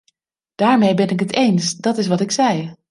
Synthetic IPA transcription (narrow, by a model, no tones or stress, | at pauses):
d̥aːɹmejbɛnɪkətejnsdɑtɪs̬ʋɑtɪksɛj